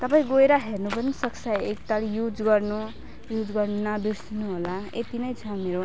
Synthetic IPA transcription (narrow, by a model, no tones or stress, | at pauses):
t̪ʌpaĩɡoeɾʌɦernupʌnisʌksajek̚t̪aljud͡zɡʌrnu | jud͡zɡʌrnnʌbisnuɦolaḛt̪inʌjt͡sʰʌ̃meɾo